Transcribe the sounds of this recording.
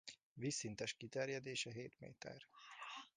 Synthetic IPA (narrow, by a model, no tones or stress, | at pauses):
visːint̪ɛʃkit̪ɛɾjɛd̪eːʃɛɦeːt̪mḛːt̪ɛ̰r